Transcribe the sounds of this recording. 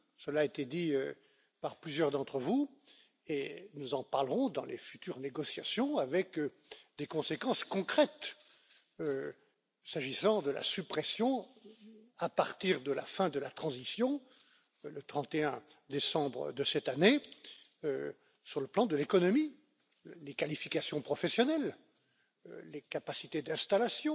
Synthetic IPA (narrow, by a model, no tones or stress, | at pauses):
səlaet̪ed̪iø | paʁplyzjœʁd̪ɑ̃t̪χəvu | enuzɑ̃paʁləʁɔ̃d̪ɑ̃lḛfyt̪yʁneɡɔsjasjɔ̃avɛk | d̪ekɔ̃sekɑ̃skɔ̃kχɛt̪ | ø | saʒisɑ̃d̪əla̰sypχɛsjɔ̃ | apaʁt̪iʁd̪əla̰fɛ̃d̪əlat̪χɑ̃zisjɔ̃ | lət̪χɑ̃t̪eɛ̃d̪esɑ̃bʁə̰d̪əsɛt̪ane | syʁləplɑ̃d̪əlekɔnɔmi | lekalifikasjɔ̃pχɔfɛsjɔnɛl | lekapasit̪ed̪ɛ̃st̪alasjɔ̃